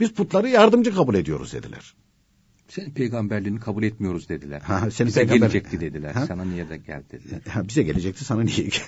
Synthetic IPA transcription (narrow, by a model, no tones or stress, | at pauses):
biz̥pʰut̪lˠaɾɯjaɾd̪ɯmd͡ʒɯkʰabulʲe̞d̪ijo̞ɾṵzd̪e̞d̪ḭlʲæ̰ɾ̥ | senipʰejɡambæɾlʲiːnikʰabulʲɛt̪mijo̞ɾuzd̪e̞d̪ilʲæ̰ɾhaɦasenipeɛjɡaelʲbæɾd͡ʒɛc̚t̪ʰid̪ed̪ilʲæɾhasananijɛd̪ɛɟæ̰lʲd̪ed̪ilæɾhabizɛɟe̞lʲe̞d͡ʒɛc̚t̪ʰisananijɛ